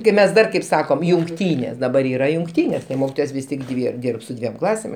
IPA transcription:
kɐɪ ˈmʲɛs ˈdɐr kɐɪp ˈsɑːkoːm jʊŋkˈtʲiːnʲeːs dɐˈbɐr ˈiːrɐ jʊŋkˈtʲiːnʲeːs ˈmoːkʲɪtoːjoːs ˈʋʲɪs tʲɪk ˈdʲʋʲɪ ˈdʲiːrp sʊ ˈdʲʋʲiɛm ˈklˠɑːsʲeːm

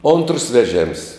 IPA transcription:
oːntrs ʋʲɛˈʒʲeːms

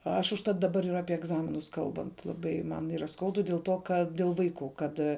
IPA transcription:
ˈɐʃ ʊʃˈtɐt dɐˈbɐr ɪr ˈɑːpʲiɛ ɛɡˈzɑːmʲɪnʊs ˈkɐlˠbɐnt lˠɐˈbɐɪ ˈmɐn ˈiːrɐ ˈskɐʊdʊ dʲeːlˠ ˈtoː kɐt dʲeːlˠ ˈʋɐɪˌkuː ˈkɐt

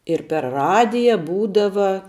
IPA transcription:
ɪr pʲɛr ˈrɑːdʲɪjɛ ˈbuːdɐʋɐ

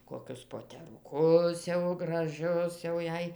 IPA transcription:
koːˈkʲʊs poːtʲɛrʊˈkʊs jɛʊ ɡrɐˈʒʲʊs jɛʊ ˈjɛɪ

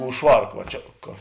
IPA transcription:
ʊʃ ˈʃʋɐrk ʋɐ ˈt͡ʃʲɛ kɐ

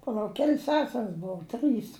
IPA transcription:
pɐˈlˠɐʊk ˈkʲɛlʲs ˈsʲæːsʲɛrs ˈboːʊ ˈtrɨs

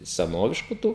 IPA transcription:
sʲɛˈnoːʋʲɪʃkʊ ˈtuː

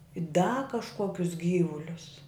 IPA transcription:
ɪ dɐ kɐʃˈkuɔkʲʊs ˈɡʲiːʋʊlʲʊs

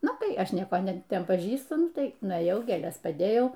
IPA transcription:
ˈnʊ tɐɪ ˈɐʃ ˈnʲiɛkoː ˈnʲɛ ˈtʲɛn pɐˈʒʲiːstʊ ˈnʊˈtɐɪ nʊeːˈjɛʊ ɡʲeːˈlʲɛs pɐˈdʲeːjɛʊ

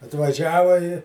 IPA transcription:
ɐtʋɐˈʒʲæːʋɐ ɪ

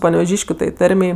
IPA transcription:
pɐnʲɛʋʲɛˈʒʲiːʃʲkʲʊ tɐɪ ˈtɐrʲmʲɛɪ

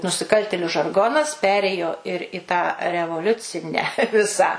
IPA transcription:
nʊsʲɪˈkɐlʲtʲeːlʲʊ ʒɐrˈɡoːnɐs ˈpʲæːrʲeːjoː ɪr ɪ tɑː rʲɛʋoːˈlʲʊt͡sʲɪnʲæː ˈʋʲɪsɑː

